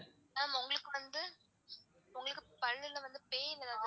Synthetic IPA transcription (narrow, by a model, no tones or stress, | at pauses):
aːmʊŋɡɐɭɯkːɯʋɐnd̪ɯ | ʊŋɡɐɭɯkːɯpɐɻːɪlːɐʋɐnd̪ɯpeːɪnːɐðaː